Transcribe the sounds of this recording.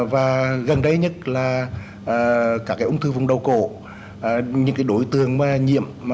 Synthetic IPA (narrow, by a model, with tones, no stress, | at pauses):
vaː˨˩ɣə˨˩nɗə˧˦jɲə˦˥t̚laː˨˩ | ʔəː˨˩kaː˦˥kːaː˨˦ʔʊ˧ŋ͡mt̪ʰɨ˧vʊ˨˩ŋ͡mɗə˨˩wko̰˧˨˩ | ɲɨ̰˧˥ŋkaː˨˦jɗo˨˦jt̪ɨ̰˨˩əŋmaː˨˩ɲḭ˧˨əmː˨